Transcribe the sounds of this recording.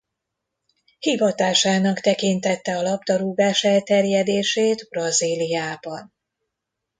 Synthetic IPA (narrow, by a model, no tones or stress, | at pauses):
hivɒt̪aːʃaːnɒkt̪ɛkint̪ɛt̪ːɛɒlɒbt̪ɒɾuːɡaːʃɛlt̪ɛrjɛd̪eːʃeːt̪brɒziːlijaːbɒn